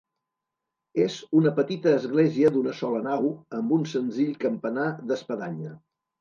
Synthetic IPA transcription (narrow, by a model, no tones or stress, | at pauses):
ezunəpət̪it̪əːzɣleziəd̪unəsɔlənawəmbunsənziʎkəmpənaðəspəðaɲə